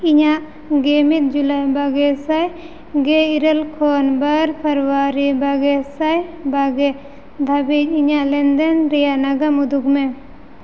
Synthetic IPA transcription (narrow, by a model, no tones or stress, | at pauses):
iɲaʔ | ɡemit̪̚d͡ʒulajbaɡɛsaj | ɡɛiɾelkʰɔnbaɾpʰəɾwaɾibaɡɛsajbaɡɛ | d̪ʱabid͡ʒ̚iɲaʔlɛnd̪ɛnɾɛjanaɡamud̪uk̚mɛ